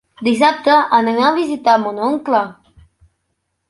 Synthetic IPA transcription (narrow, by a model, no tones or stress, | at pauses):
d̪is̬ap̚t̪əʔaneŋaβizit̪amonoŋkla